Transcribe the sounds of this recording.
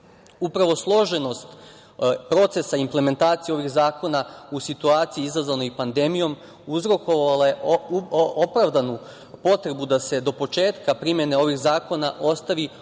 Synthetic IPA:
upɾaʋo̞slˠo̞ʒe̞no̞st̪ | pɾo̞t̪se̞saimple̞me̞nt̪aːt̪sieo̞ʋixzaːko̞nausit̪uaːt̪siiizazʋano̞ipand̪e̞mijo̞m | uzɾo̞ko̞ʋalaje̞ | opɾaʋd̪anu | po̞t̪ɾe̞bud̪ase̞d̪o̞po̞t͡ʃe̞ːt̪kapɾimje̞ne̞o̞ʋixzaːko̞naʔo̞st̪aʋi

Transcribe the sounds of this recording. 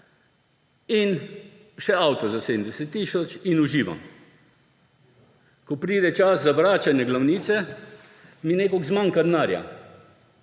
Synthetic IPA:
in | ʃɛawt̪ɔzaseːd̪md̪ɛsɛt̪ːisɔt͡ʃinuʒiːʋa̰m | kɔpɾiːd̪ɛt͡ʃaszaʋɾaːt͡ʃanjɛɡlawniːt̪sɛ | mineːkɔɡzmaŋkad̪naːɾja̰

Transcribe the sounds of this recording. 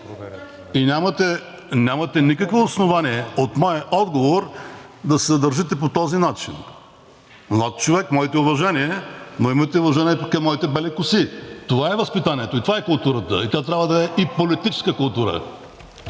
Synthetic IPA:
inʲamət̪ɛ | nʲamɐt̪ɛnikəkvoːsnovaniɛot̪mɔjɐʔɔd̪ɡovoɾd̪ɐsɛzɐd̪ɐɾʒit̪ɛp̬ot̪ɔzinat͡ʃin | mlˠat̪̚t͡ʃovɛkmɔit̪ɛʊvɐʒɛniɛnoimɐt̪ɛʊvɐʒɛniɛkɐmːɔit̪ɛbɛlɛkʊsit̪ovaɛvɐspit̪aniɛt̪oit̪ovaɛkʊlˠt̪uɾət̪ə̰it̪ʲat̪ɾʲavəd̪ɐɛʔipolit̪it͡ʃɛ̥skəkʊlˠt̪uɾə̰

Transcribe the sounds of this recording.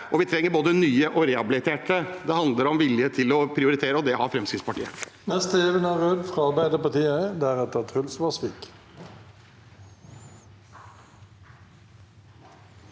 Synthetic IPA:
ʔɔʋɪt̪ʰɾɛŋːəɾboːd̪ənyːəʔɔɾɛːɑbɪlɪt̪ʰeːʈəd̪ɛhɑnd̪ləɾɔmʋɪljət̪ʰɪlɔpʰɾɪʊɾɪt̪ʰeːɾəɔd̪ɛhɑɾfɾɛmskɾɪt̪spɑʈʰiːə̰nɛst̪əɛʋənæʁød̪fʁɑɑɾbæɪd̪əpɑʁt̪iːəd̪ɛæːʁɛt̪̚ət̪ʰʁʉlsʋɑsʋiːk

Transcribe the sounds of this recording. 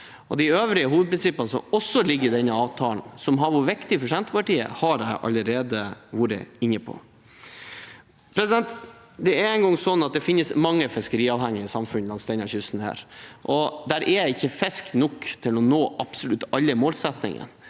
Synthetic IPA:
ɔd̪ɪøːʋɾɪəɦuːʋəd̪̚pʰɾɪnsɪpːənəsɔmɔsːɔlɪɡːəɾd̪ɛnːəɑːʋt̪ʰɑːln̩sɔmɦɑʋʊɾʋɪkt̪ɪfɔʂɛnt̪əpɑʈiːə̰hɑɾæɪʔɑ̰lːəɾeːd̪əʋuɾə̰ɪnːəpʰɔ̰ | pʰɾɛsɪd̪ɛnt̪ | d̪ɛæɾɛɪnɡɔŋːsɔnːɑt̪̚d̪ɛfɪnːəsmɑŋːəfɪskəɾiːɑːʋhɛŋːɪəsɑmfʉnːlɑŋsd̪ɛnɑçʉst̪n̩hæ̰ːɾʔɔd̪æɾʔæɾjæɪɪçːəfɛsknɔkːt̪ʰɪlɔnoːʔɑpsʊlʉt̪ːɑlːəmoːlsɛt̪nɪ̰ŋə̰n

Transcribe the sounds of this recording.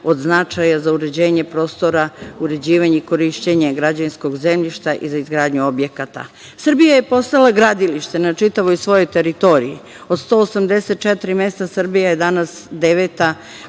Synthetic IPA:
o̞d̪znat͡ʃajazauɾe̞d͡ʑe̞ːɲepɾo̞ːst̪o̞ɾauɾe̞d͡ʑiːʋaɲeiko̞ɾiʃt͡ɕeɲe̞ɡɾad͡ʑainsko̞ɡze̞mʎiʃt̪aʔḭzaizɡɾaːd̪ɲuo̞bje̞kat̪a̰ | sr̩bijaje̞po̞st̪alˠaɡɾad̪iliʃt̪e̞nat͡ʃit̪aʋojsʋo̞jo̞jt̪e̞ɾit̪o̞ɾiji | o̞d̪st̪o̞ːsamd̪e̞set̪̚t͡ʃet̪ɾime̞st̪asr̩bijaje̞d̪anasd̪eʋet̪a

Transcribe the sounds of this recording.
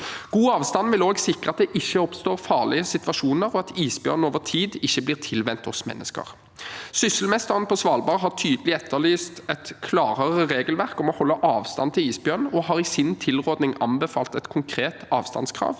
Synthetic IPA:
ɡ̥uːɑːʋst̪ɑnʋɪloːɡsɪkʁəɑt̪̚d̪ɛʔɪçːəɔpst̪oːʁfɑːʁlɪəsɪt̪ʋɑʂuːnəʁɔɑt̪iːsbjœ̰ʁnoːʋəʁt̪ʰiːd̪ɪçːəblɪːʁt̪ʰɪlʋɛnt̪ɔsmɛ̰nːəskə̰ʁ | sʏsəlmɛst̪əʁənpʰɔsʋɑːlbɑːʁɦɑʁt̪ʰyːd̪əlɪɛt̪ʰːəɭiːst̪ɛt̪kʰlɑːʁəʁəʁeːɡəlʋæʁkɔmɔhɔlːəʔɑːʋst̪ɑ̰nt̪ʰɪliːsbjœʁnɔɦɑːʁɪsɪnt̪ʰɪlʁoːd̪nɪŋɑnbɛfɑ̰ːlt̪ɛt̪kʰʊŋkʰɾeːt̪ɑːʋst̪ɑ̰nskʰʁɑ̰ːʋ

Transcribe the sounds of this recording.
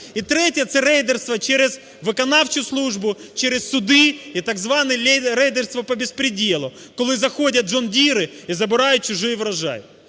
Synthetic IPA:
it̪ɾɛtʲjɐt̪sɛɾɛjd̪erst̪ʋɐt͡ʃɛɾʲɪz | ʋɨkɐnɑwt͡ʃʊslˠuʐbʊt͡ʃɛɾʲɪssʊd̪ɪit̪aɡzʋɑnɛlʲɛjɾɛjd̪erst̪ʋɐpɐbʲɪspɾʲɪdʲelˠʊ | kɔlˠɪzɐxodʲɐt̪ʒɔndʲiɾɪizɐbɪɾɑjʊt̚t͡ʃʊʒɪjɪʋɾɐʒɑ̰jɪ

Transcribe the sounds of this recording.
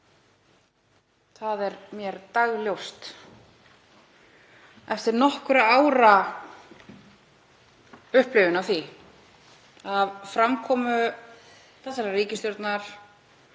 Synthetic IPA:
θaðɛɾmjɛɾt̪aɣljowst̪ | ɛft̪ɪɾnɔhkʏɾaaːwɾa | ʏhplɪvɪnavθi | avfɾamkʰɔːmʏ | θɛsaɛɾriːcɪst̪jowɾt̪naɾ̥

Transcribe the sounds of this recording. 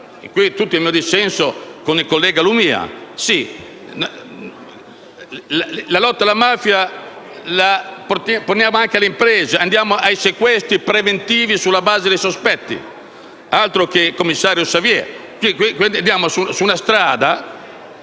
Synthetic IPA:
kwit̪ut̪ːimiːod̪isɛnsokonikolːɛːɡalumiːa̰si | llalɔt̪ːalamaːfja | lapot̪apornjaːmoaŋkealeimpɾɛːzeand̪jaːmoʔajsekwɛst̪ɾipɾevent̪iːvisulːabaːzed̪ejsospɛt̪ːḭ | alt̪ɾokekomːisːaːɾjosavjɛ | kikikand̪jaːmosusunast̪ɾaːd̪a

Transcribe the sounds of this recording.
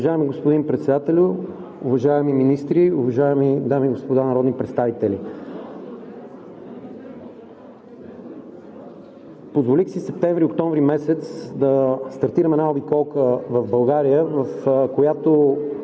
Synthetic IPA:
ʊvɐʒaɛmiɡospod̪inpɾɛt̪sɛd̪at̪ɛlʲʊ | uvɐʒaɛmiminist̪ɾiuvɐʒaɛmid̪amiɡospod̪anɐɾɔd̪nipɾɛt̪st̪avit̪ɛli | pozvolixsisɛp̚t̪ɛ̃ɱvɾiokt̪ɔɱvɾimɛsɛt̪sd̪ɐst̪ɐɾt̪iɾəmɛnaobikɔlˠkəvɐvbɐlˠɡaɾijəvəfkojat̪o

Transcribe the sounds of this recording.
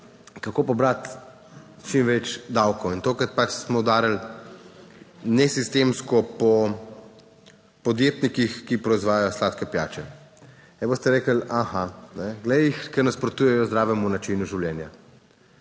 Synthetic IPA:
kakopɔbɾat̪ | t͡ʃimʋɛt͡ʃd̪awkɔwint̪oːkɾat̪̚pat͡ʃsmɔd̪aːɾal | nɛsist̪emskɔpɔ | pɔd̪jeːt̪nikixkipɾɔizʋaːjajɔslaːt̪kɛpja̰ːt͡ʃɛ | ɛbost̪ɛɾeːkəlaxanɛɡlɛjixkɛɾnaspɾɔt̪uːjɛjɔzd̪ɾaːʋɛmunat͡ʃinuʒiwljɛnja

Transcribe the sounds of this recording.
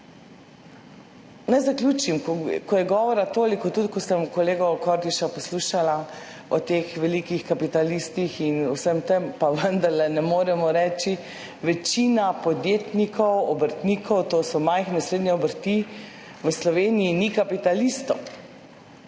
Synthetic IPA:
najzaklʲjuːt͡ʃimkɔjɛɡɔːʋɔɾat̪oːlikɔt̪ut̪kɔsəmkɔleːɡɔkɔɾd̪iʃapɔsluʃala | ɔt̪exʋɛlikixkapit̪alist̪ixinuwsəmt̪əmpaʋənd̪aɾlɛnɛmoːɾɛmɔɾɛːt͡ʃi | ʋɛt͡ʃinapɔd̪jet̪nikʰɔwɔbəɾt̪nikʰɔwt̪osɔmajxnɛsɾeːd̪nɲɛɔbəɾt̪i | ʋəslɔʋeːnijːnikapit̪alist̪ɔ̰

